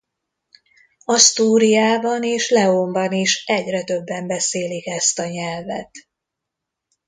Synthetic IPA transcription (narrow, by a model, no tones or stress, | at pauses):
ɒst̪uːɾijaːbɒneːʃlɛombɒniʃɛɟrɛt̪ø̞bːɛmbɛseːlikɛst̪ɒɲɛlvɛ̰t̪